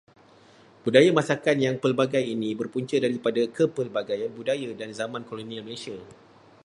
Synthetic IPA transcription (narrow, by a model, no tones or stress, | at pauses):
b̥udajamãsakanjaŋpəlbaɡajinĩbərpuɲt͡ʃədaɾipadakəpəlbaɡajanbudajadanzamãnkolonĩalməlesia